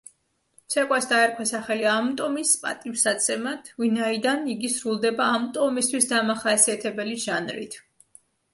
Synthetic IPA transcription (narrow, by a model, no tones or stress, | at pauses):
t̪sʰɛkʼwasd̪aɛɾkʰwasaχɛliamt̪ʼɔmispʼa̰t̪ʼifsat̪sʰɛmat̪ʰvinaid̪aniɡisɾulˠd̪ɛbaːmt̪ʼɔmist̪ʰwisd̪amaχasiat̪ʰɛbɛliʒanɾḭt̪ʰ